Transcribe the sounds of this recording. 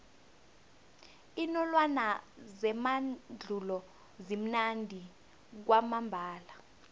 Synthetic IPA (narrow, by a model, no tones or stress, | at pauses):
inɔlwanazɛmad͡ɮʱulɔ | zim̩nandʱi | k̬wamambʱaːla